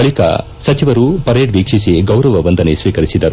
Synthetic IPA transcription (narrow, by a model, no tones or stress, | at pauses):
ɐɭikɐ̰ | sɐt͡ʃiʋɐɾupɐɾeːɖʋiːkʂis̬iɡɐwɾɐʋɐʋɐnd̪ɐnesʋiːkɐɾisid̪ɐɾu